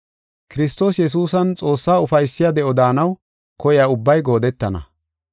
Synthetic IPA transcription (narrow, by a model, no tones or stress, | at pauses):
kɪɾɪst̪o̞ːsjɛs̬uːsɐnt͡sʼo̞ːsːaːʊfɐjsːɪjad̪ɛɔd̪aːnɐw | kɔjɪjaʊbːɐjɡo̞ːd̪ɛt̪ːɐnɐ̰